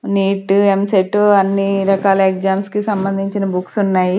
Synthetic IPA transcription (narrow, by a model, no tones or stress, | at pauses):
niːʈemseʈːɐnːiɾɐkaːlɐekd͡ʒaːmskisɐmbɐnd̪ʱiɲt͡ʃinɐbuksunːaːji